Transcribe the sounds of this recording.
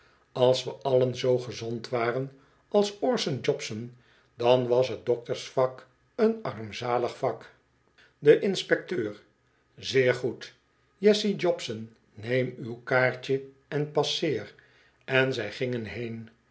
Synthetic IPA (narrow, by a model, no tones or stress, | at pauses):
ɑlˠsʋəʔɑlənzowχəzɔntʋaːrən | ɑlˠsɔɹsənd͡ʒɔpsən | dɑnʋɑsɦət̚dɔk̚təɹsfɑk | ənɑɹmzaːləχfɑk | dəʔɪnspɛk̚tøːr | zɪːɹχut | jɛsid͡ʒɔpsənː | ejmywkaːɹt͡ʃə | ɛnpɑsɪːr | ɛnzɛjχɪŋənɦejn